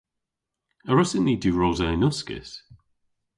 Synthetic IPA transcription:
əɹɪsəniːdʉːɹozaɪnʊskɪ̰s

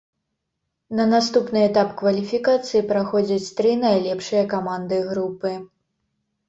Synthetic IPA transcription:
nɐnast̪upnɨɛt̪apkvɐlʲifʲikat̪sɨjipɾaxɔd͡zʲɐt͡sʲt̪ɾɨnɐjlʲɛpʂɨjɐkamand̪ɨɣɾupɨ

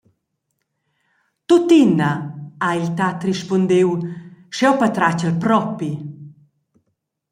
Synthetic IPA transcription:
t̪ut̪inaailt̪at̪riʃpɔnd̪ewʃɛwpat̪ɾat͡ɕəlpɾɔpi

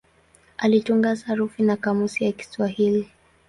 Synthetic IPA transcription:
alituŋɡasaɾufinakamusijaki̥swahili

